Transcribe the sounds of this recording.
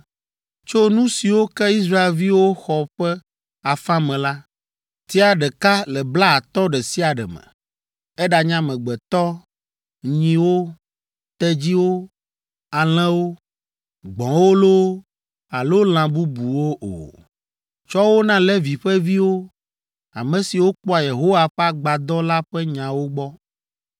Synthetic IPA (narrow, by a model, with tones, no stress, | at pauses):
t͡ʃo˦nũ˦si˨wo˦kɛ˦i˦sɾa˦e˨lvi˦wo˦xɔ˨ɸɛ˦ | a˨fã˦mɛ̃˨la˦ | t̪i˦a˨ɖɛ˨ka˦lɛ˨bla˦a˨t̪ɔ˦ɖɛ˨si˦a˨ɖɛ˨mɛ̰̃˨ | ɛ˦ɖa˨ɲã˦mɛ̃˨ɡ͡bɛ˨t̪ɔ˦ | ɲĩ˦wo˦ | t̪ɛ˦d͡ʑi˦wo˦ | a˨l̃ɛ̃˦wo˦ | ɡ͡bɔ̃˨wo˦lo˦ | a˨lo˦l̃ã˨bu˦bu˨wo˦ʔo̰˨ | t͡ʃɔ˦wo˦nã˦lɛ˦vi˨ɸɛ˦vi˦wo˦ | a̰˨mɛ̃˨si˨wo˦k͡pɔ˦a˨je˨ɦo˦wa˨ɸɛ˦a˦ɡ͡ba˨d̪ɔ˦la˦ɸɛ˦ɲã˨wo˦ɡ͡bɔ˦